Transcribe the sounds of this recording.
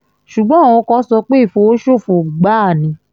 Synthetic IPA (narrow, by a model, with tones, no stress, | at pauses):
ʃu˨ɡ͡bɔ̃˨˦˨ɔ̃˧˦kɔ̃˧˦sɔ˧k͡pe˦i˦˨fo˧o˦ʃo˦˨fo˨ɡ͡ba˨˦a˦˨nĩ˨˦